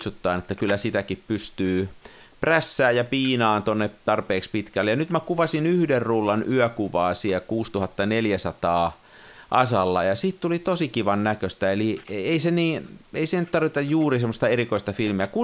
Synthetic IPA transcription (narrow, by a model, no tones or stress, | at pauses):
t̪sut̪ːɑːnet̪ːækylːæsit̪ækippyst̪yː | præsːæːjjɑpiːnɑːnt̪onːet̪ɑrpeːkspit̪kælːejɑnyt̪mækuʋɑsinyhderruːlːɑnyœkuʋɑːsiækuːst̪uhɑt̪ːɑneljæsɑt̪ɑː | ʔɑsɑlːɑjɑsiːt̪t̪ulit̪osikiʋɑnnækøst̪æelieiseniːeisenyt̪ɑrʋit̪ɑjjuːrisemːŏst̪ɑerikoist̪ɑfilmiæku